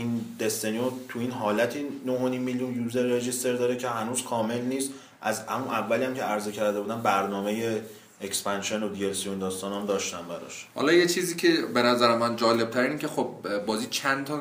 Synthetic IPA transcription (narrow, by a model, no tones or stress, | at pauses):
ind̪e̞st̪eniot̪ʰuiːnɦɒːlæt̪ʰiːnoɦonimːiljunjuːze̞ɾːed͡ʒist̪e̞ɾd̪ɒːɾecʰe̞ɦænuːz̥kʰɒːme̞lniːst̪ | ʔæzhæ̰munʔævːælijæmcʰe̞æɾze̞cʰæɾd̪e̞buːd̪ænbæɾnɒːme̞je̞ | ekspʰænʃe̞nod̪ijelsiond̪ɒːst̪ɒːnæmd̪ɒːʃt̪ænbæɾɒ̰ʃhɒ̰lɒːjet͡ʃʰiːziːcʲʰebenæzæɾemænd͡ʒɒːle̞b̚t̪ʰæɾinicʲʰexob̚bɒːziːt͡ʃʰænt̪ʰɒ